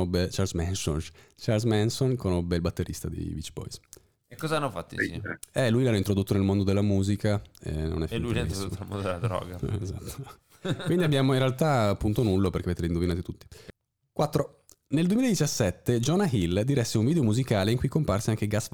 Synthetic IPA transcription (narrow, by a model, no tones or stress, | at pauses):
obːet͡ʃalsmɛnso̰n | t͡ʃalsmɛnsonkonobːeilbat̪ːeɾʔḭst̪ad̪ḭvit͡ʃːbɔ̰js | ekːɔzaanːofat̪ːiɛɛlujlaaint̪ɾod̪ut̪ːonelmond̪od̪elːamuːzikaḛnːo̰nɛfinlulaint̪ɾsod̪umõd̪elad̪ɾɔ̰ːɡaezat̪ːo | kwind̪iabːjaːmoinrealt̪aːpːunt̪onulːopeɾrkeaveːt̪eɾind̪ovinaːt̪it̪ut̪ːi̥ | kwat̪ːɾo | neld̪wemiled̪it͡ʃasːɛt̪ːed͡ʒɔnaɦild̪iɾɛsːeuɱviːd̪eomuzikaːleiŋkujkomparseaŋk̟eɡas